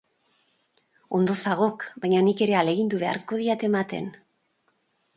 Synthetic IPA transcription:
o̞nd̪o̞saɣ̞o̞kbajɲanike̞ɾe̞ale̞ɣind̪uβe̞a̰ɾko̞ð̞iat̪e̞mat̪e̞̰n

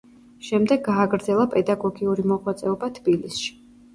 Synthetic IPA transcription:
ʃɛmd̪ɛɡːaːɡɾd̪zɛlˠapʼɛd̪aɡɔɡiuɾimɔʁwat̪sʼɛɔbat̪ʰbilisʃi̥

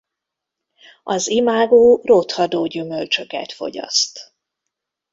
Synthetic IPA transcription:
ɒzimaːɡoːrot̪hɒd̪oːɟymølt͡ʃøkɛ̰t̪fo̞̰ɟɒ̰st̪

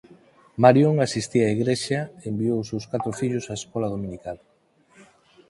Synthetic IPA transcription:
maɾjoŋasist̪iaiɣɾeʃɐeembiowsewskat̪ɾofiʎʊsaeskɔlaðomĩnikal

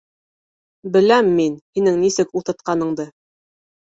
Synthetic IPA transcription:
bɘ̆læmːinhinɘŋnisɘkulˠt̪ɤ̆t̪̚qɑnɤ̆ɴd̪ɤ

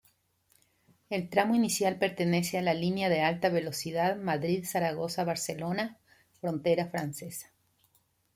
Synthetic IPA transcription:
e̞lt̪ɾamoinisjalpe̞ɾt̪e̞ne̞sealalinjaðe̞alt̪aβe̞lo̞siðaðmaðɾiðsaɾaɣo̞saβaɾselo̞na | fɾo̞nt̪e̞ɾafɾanse̞sḁ

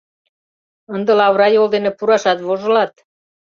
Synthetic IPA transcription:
ənd̪ə̆lɑβɾɑjold̪enepuɾɑʃɑt̪βoʒɤ̆lɑt̪̚

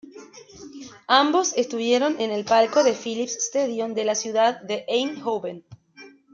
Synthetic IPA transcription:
ambo̞se̞st̪uβje̞ɾo̞nene̞lpalko̞ðe̞filipsst̪eðjond̪e̞lasjuðaðːeʔejnxowβen

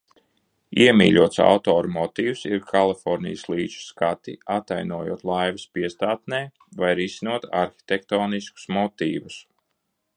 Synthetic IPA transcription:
iɛmḭːʎʲuɔt̪sa̰wt̪ɔːɾumɔt̪iːwsiɾkʰalˠifɔɾnʲḭjslˠiːt͡ʃu̥skat̪ḭat̪ajnuɔjṵɔt̪lˠajvɐspiɛst̪aːt̪̚nɛː | vajɾisinuɔt̪a̰ɾxʲi̥t̪ʲek̚t̪ɔːnisku̥smɔt̪iːvus

